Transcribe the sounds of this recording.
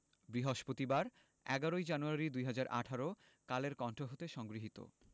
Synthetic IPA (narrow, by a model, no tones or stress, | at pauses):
bɾiɦoʃpot̪ibaɾ | ɛ̰ɡaɾojd͡ʑanuaɾid̪ujɦad͡ʑaɾʔa̰ʈʰaɾo | kaleɾkɔɳʈʰoɦot̪eʃɔŋɡɾiɦit̪o̰